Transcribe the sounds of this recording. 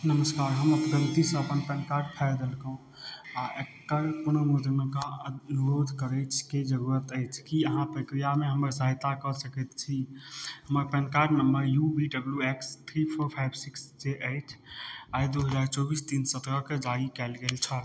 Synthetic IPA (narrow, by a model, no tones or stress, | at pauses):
nəməskaɾɦəməpəɡ̪əɾt̪isəəpənpɛnkaɾɖ̚pʰɛɾd̪elkəɦũ | aʔekːəɾpunəmud͡ʒ̪nekaənuɾod̪ʱkəɾəɪt͡ʃʰked͡ʒəɾuɾət̪əɪt͡ʃʰkiəɦãpɾəkɾijameɦəməɾsəɦjt̪akəsəkɛt̪t͡ʃʰiɦəməɾpɛnkaɾɖnəmbəɾjubiɖəbljuekst̪ʰɾipʰoɾpʰajbsiksd͡ʒeʔəɪʈʰajd̪uɦəd͡ʒaɾt͡ʃɔbist̪insət̪ɾəked͡ʒaɽikɛlɡelt͡ʃʰəl